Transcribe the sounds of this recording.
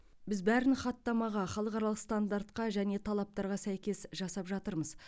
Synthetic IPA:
bɪzbæɾɪnχɑt̪ːɑmɑʁɑχɑlˠəqɑɾɑlˠəqst̪and̪aɾt̪qɑʒæne̞t̪ʰɑlˠɑp̚t̪ɑɾʁɑsæjkʲe̞sʒɑsɑpʒɑt̪əɾməz

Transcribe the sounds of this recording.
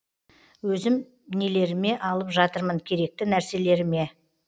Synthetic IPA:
wɵzɪm | ne̞le̞ɾɪme̞ʔɑlˠəpʒɑt̪əɾməŋkʲʰe̞ɾe̞k̚t̪ɪnæɾse̞le̞ɾɪme̞

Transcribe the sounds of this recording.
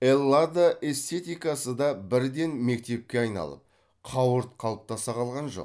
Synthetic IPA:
elˠːad̪aʔe̞st̪e̞t̪ijkasəd̪ɑbɪɾd̪e̞nme̞k̚t̪e̞p̚kʲeɑjnɑ̰lˠə̰p̚ | qʰɑwəɾt̪̚qʰɑlˠəp̚t̪ɑsɑqʰɑlˠʁɑnʒo̞̰q

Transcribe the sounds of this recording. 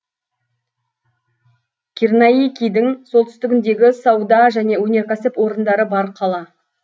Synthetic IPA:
kʲʰirnɑjijkʲijd̪ɪŋsolt̪ʏ̥st̪ɪɡʲɪnd̪e̞ɡʲɪsɑwd̪ɑʒæne̞wɵne̞ɾkʲʰæsɪpwo̞ɾənd̪ɑɾəbɑɾqʰɑlˠɑ

